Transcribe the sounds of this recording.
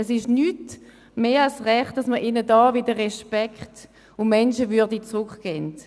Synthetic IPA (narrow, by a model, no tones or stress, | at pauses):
ɛsɪʃnyːt | meːɑlsʁɛχtd̥ɑsməʔɪnədɑːvɪdəʁɛʃpɛkχt | ʊmɛnʃəvyɐdit͡sʁʊkɡ̥ɛːnt